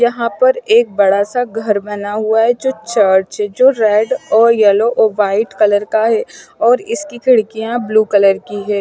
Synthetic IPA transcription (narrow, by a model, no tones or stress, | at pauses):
jɐɦãpɐɾeːk̚bɐɽasaɡʱɐɾbɐnaɦʊaɦɛd͡ʒoːt͡ʃəːɾʈt͡ʃɦɛd͡ʒoːɾɛːɖɔːɾjɛloʔoːʋaːɪʈkɐləɾkaɦɛːɔːɾɪskikɪɽkijãbluːkɐləɾkiɦɛː